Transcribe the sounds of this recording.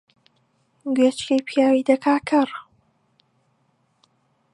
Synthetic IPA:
ɡɥet͡ʃkejpʰjaːwid̪ɐkʰaːkʰɐɾ

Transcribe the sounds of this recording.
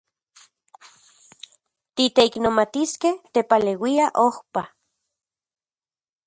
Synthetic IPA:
t̪it̪eiknomat̪iskeht̪epalewiaʔohpa

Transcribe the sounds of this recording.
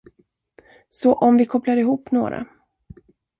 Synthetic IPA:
sɔʔɔmvɪkʰɔplaɾɪɦuːpːno̰ːɾa̰

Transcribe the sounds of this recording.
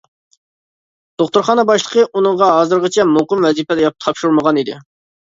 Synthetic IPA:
d̪̥oχt̪uɾχɑːnəbɑʃlˠəqʰəʔunəɴʁɑɦɑːzɨɾʁət͡ʃʰɛmuqəmwɛzipɛd̪ɛjɑp̚t̪ʰɑpʃuɾməʁɑnid̪ɪ̰

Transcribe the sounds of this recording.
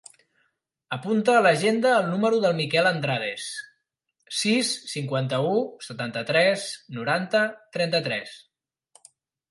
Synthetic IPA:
əpunt̪əːləʒend̪əːlˠnuməɾuðəlˠmikɛlənd̪ɾaðes | sisːiŋkwant̪əusət̪ant̪ət̪ɾɛsnuɾant̪ət̪ɾɛnt̪ət̪ɾɛs

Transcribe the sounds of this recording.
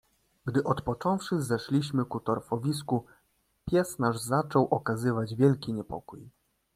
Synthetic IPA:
ɡd̪ɘʔɔt̪pɔt͡ʂɔ̃w̃fʂɘzɛʂlʲiɕmɘkut̪ɔɾfɔvʲis̬ku | pʲjɛsnaʐzat͡ʂɔwʔɔkazɘvad͡ʑvʲjɛlkʲiɲɛpɔ̰kuj

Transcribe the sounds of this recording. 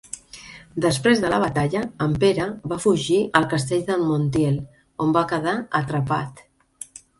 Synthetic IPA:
d̪əspɾezðələβət̪aʎəːmpeɾəβafuʒiʔəlˠkəst̪eʎðəlmunt̪jɛl | ombakəðaət̪ɾəpat̪

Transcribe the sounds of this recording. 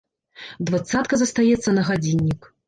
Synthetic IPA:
d̪vat̪sat̪̚kɐzɐst̪ajɛt̪sːɐnɐɣad͡zʲinʲːik

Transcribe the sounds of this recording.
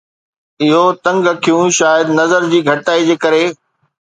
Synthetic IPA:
ɪɦot̪ɐ̃ŋɡɐkʰijũʃaːjəd̪nɐzəɾd͡ʑiːɡʱɐʈaːid͡ʑeːkɐɾe

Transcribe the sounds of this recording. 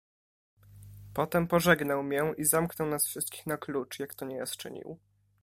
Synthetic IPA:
pɔt̪ɛmpɔʐɛɡnawmʲjɛʔizamknɔwnasfʂɘst̪kʲi̥xnaklut͡ʂjakt̪ɔɲɛja̰st͡ʂɘ̰ɲḭw

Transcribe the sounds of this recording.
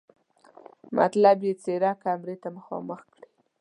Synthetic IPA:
ma̰t̪labjet͡seɾɑkamɾet̪aməxɑ̰məxkɽi

